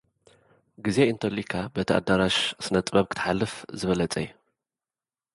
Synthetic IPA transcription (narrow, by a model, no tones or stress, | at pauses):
ɡizeint̪ʰɐlikʰabɐt̪ʰiʔa̰d̪aɾaʃsɨnɐt̪ʼβɐβkʰɨ̥t̪ʰħalːɨfzɨβɐlɐt͡sʼɐ̰j